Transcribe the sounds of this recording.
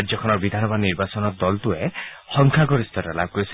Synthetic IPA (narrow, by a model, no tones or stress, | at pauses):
d͡ʒɔkʰɔnɔɾbid̪ʱanɔbaniɾbasɔnɔɾd̪ɔlt̪uehɔŋkʰaɡɔɾist̪ʰɔɾala̰b̚kɔɾis